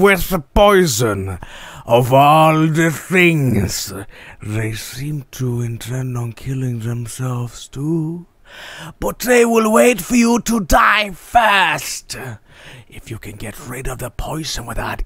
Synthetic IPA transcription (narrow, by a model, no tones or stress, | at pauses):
wɪθðəpɔɪzɨ̃nʔʌvɔlˠðɨθɪ̃ŋz̥ðeɪsĩmtʰəɨ̃ntʰɛ̃ñn̩kʰɪlˠɪ̃ŋðɨ̃msɛlˠvz̥tʰu | b̥ʌt̪̚ðeɪwɪlˠweɪtfə˞jəɾədaɪfɜ˞st | ʔɪfjɨkʰɨ̃nɡɛt̚ɹɪɾʌvðəpʰɔɪz̥ɨ̃nwɨðət